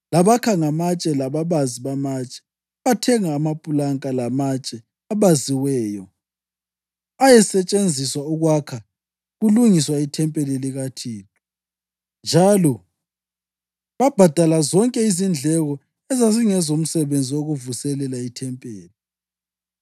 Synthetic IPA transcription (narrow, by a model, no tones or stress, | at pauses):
laβakʰaŋamat͡ʃʼɛlaβaβaziβamat͡ʃʼɛ̥ | βatʰɛŋaːmapʼulaŋkʼalamat͡ʃʼɛ | aβaziwɛːjɔ | ajɛsɛt͡ʃʼend͡zʱiswauɣwakʰa | ɣuluŋiswaitʰɛmpʼɛliliɣatʰiːtʼu | nd͡ʒʱalɔ | βab̥ʱad̥ʱalazɔŋkʼɛizind͡ɮʱɛɣɔ | ɛzaziŋɛzom̩sɛβend͡zʱioɣuvusɛlɛlaitʰɛmpʼeːli